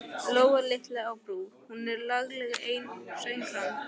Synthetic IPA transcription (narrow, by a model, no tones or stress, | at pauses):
loːwɣalɪht̪laawpɾuːhunɛɾlaɣlɛɣʔeːjnsœɥjŋkʰan